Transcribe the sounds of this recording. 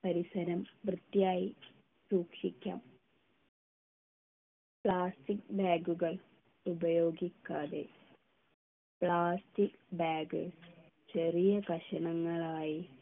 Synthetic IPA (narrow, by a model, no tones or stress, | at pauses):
pɐɾisɐɾɐmʋrɨt̪jaːji | suːkʂikʲːa̰ːm | pɭaːstik̚baːɡuɣɐɭ | ubɐjo̞ːɡikʲːaːðḛ | pɭaːstikbaːɡɨ | t͡ɕerijɐkɐʂɐɳɐŋːɐɭaːji